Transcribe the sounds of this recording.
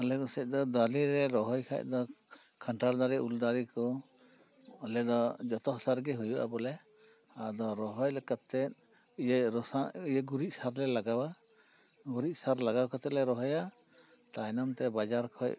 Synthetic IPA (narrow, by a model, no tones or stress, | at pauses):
ɔlɛkɔsɛc̚ˀd̪ɔd̪aliɾɛɾɔɦɔjkʰa̰c̚ˀd̪ɔ | kʰaɳʈaɾd̪aɾɛuld̪aɾikɔ | ɔlɛd̪ɔd͡ʒɔt̪ɔɦɔsaɾɡɛɦujuʔa̰bɔlɛ | ad̪ɔɾɔɦɔjlɛkat̪ːɛt̪̚ | jɾɔsaijəɡuɾiʔ̚saɾlɛlaɡawa | ɡuɾic̚saɾlaɡawkat̪ɛlɛɾɔɦɔja | t̪ajnɔmt̪ɛbad͡ʒaɾkʰɔj